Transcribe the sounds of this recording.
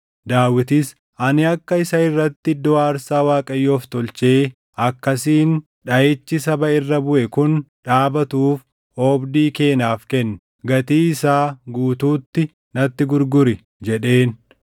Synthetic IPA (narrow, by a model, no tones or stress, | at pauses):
d̪aːwɪt̪ɪs | ʔɐnɪɐkːɐɪsɐɪrːɐt̪ːɪd̪ɔaːɾsaːwaːkʼɐjːo̞ːft̪ɔlt͡ʃe̞ː | ʔɐkːɐsiːn | ᶑɐʔeːt͡ʃːɪsɐbɐɪrːɐbʊʔɛkʊnᶑaːbɐt̪uːf | oːbd̪iːke̞ːnaːfkɛnːʊ | ɡɐt̪iːɪsaːɡuːt̪uːt̪ːɪ | nɐt̪ːɪɡʊɾɡʊɾɪ | d͡ʒɛᶑe̞ːn